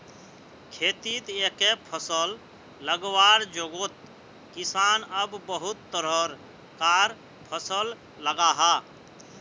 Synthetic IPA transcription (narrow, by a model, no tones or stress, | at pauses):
kʰeːt̪it̪ekepʰəsəlː | əɡwaɾd͡ʒoɡot̪̚ | kisaːnəbbəɦut̪ːəɾəɾ | kaɾ | pʰəsəlː | əɡaɦa